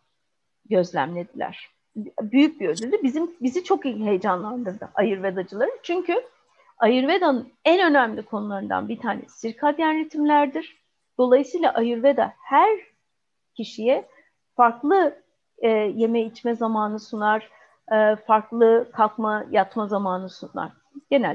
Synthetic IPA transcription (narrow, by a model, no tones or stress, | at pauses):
ɟø̞zlʲæ̰mlʲe̞d̪ilʲæ̰ɾ̥ | byjyc̚biød̪ʲylʲd̪ybizimbizit͡ʃʰo̞kiɦe̞jd͡ʒanlˠand̪ɯɾd̪ɯ̰ʔajɯɾve̞d̪ad͡ʒɯlˠaɾɯt͡ʃʰyɲcy | ajɯɾve̞d̪anɯnænø̞næmlʲikʰo̞nulˠaɾɯnd̪a̰nbit̪ʰaːnɛ̰siɾkʰad̪jænɾet̪ʰimlʲæɾd̪iɾ̥ | d̪̥o̞lˠajɯsɯjlˠaʔajɯɾve̞d̪a̰hæɾ | cʰiʃijɛ | faɾklˠɯː | je̞mɛit͡ʃmɛzamaːnɯsunaɾ̥ | ɯːfaɾklˠɯkʰakmajat̪mazamaːnɯsuna̰ɾ̥ | ɟ̥e̞næ